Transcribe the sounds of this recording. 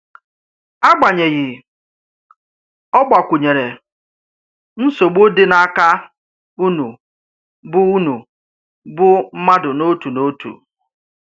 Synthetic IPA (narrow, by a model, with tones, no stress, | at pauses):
a˦ɡ͡ba˨ɲe˨ɣɪ˨ | ɔ˦ɡ͡ba˨kʷu˨ɲe˨ɾe˨ | n̩˦so˨ɡ͡bo˦dɪ˦na˦a˦ka˦ | u˦nu˨ | bʊ˦u˦nu˨ | bʊ˦m̩˦ma˦dʊ˨no˦tu˨no˦tṵ˨